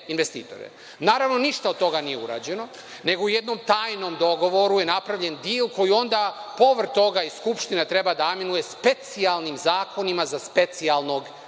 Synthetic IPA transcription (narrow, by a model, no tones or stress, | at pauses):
inʋest̪ḭːt̪o̞̰ɾḛ | naːɾaʋno̞niʃt̪aod̪̚t̪ːo̞ɡanijeṵɾa̰ːd͡ʑe̞no̞ | ne̞ɡouje̞d̪no̞mt̪aːjno̞md̪o̞ɡo̞ʋo̞ɾujenapɾaʋʎe̞nd̪iːlko̞jio̞nd̪apo̞ʋr̩t̪o̞ɡaisskupʃt̪inet̪ɾe̞bad̪aaminuje̞spe̞t̪sialˠnimzaːkʰo̞nimazaspe̞t̪sialˠno̞ɡ